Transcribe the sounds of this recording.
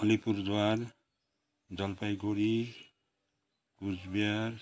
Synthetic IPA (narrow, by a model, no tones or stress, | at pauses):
ʌlipuɾd̪waɾ | d͡zʌlpajɡʱoɾi | kud͡zbiaɾ